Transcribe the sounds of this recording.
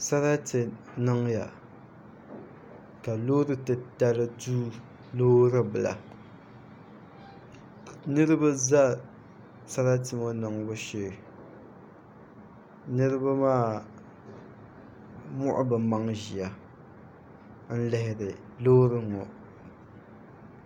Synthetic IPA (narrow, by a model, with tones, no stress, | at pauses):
sa˦ɾa˦tɨ˨ | nɨ˦ŋja̰˨ | ka˨loː˦ɾɨ˦tɨ˦ta˦lɨ˦duː˦ | loː˦ɾɨ˦bɨ˨la̰˨ | nɨ˦ɾɨ˦ba˦za˦ | sa˦ɾa˦tɨ˨mo˦nɨ˨ŋbʊ˦ʃe˨ | nɨ˦ɾɨ˦ba˦maː˦˨ | mʊ˦˨ʔʊ̰˦bɨ˨ma˦ŋʒi˨a˨ | n̩˦lɛ˦hɪ˦˨ɾɨ˨ | loː˦ɾɨ˦ŋɔ˨